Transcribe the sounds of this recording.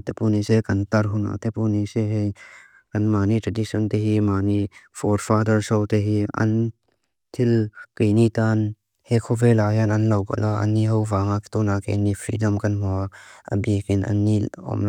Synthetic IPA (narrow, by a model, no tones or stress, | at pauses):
t̪epunisekɐnt̪ɐɾɦʊna̰t̪epuniseɦej | kɐnmaːnit̪ʰɾɐdisɔnt̪eɦimaːnifʰɔɾfad̪ɐɾsɔwt̪eɦiɐ̰n | t̪ʰilkejnit̪an | hekʰɔvelajanɐnlɐwka̰lɔʔɐ̰nːiɦɔwvaːŋakt̪ɔnakenifʰɾḭdɔmkɐnmɔaa̰bikinʔɐ̰nːiɔ̰m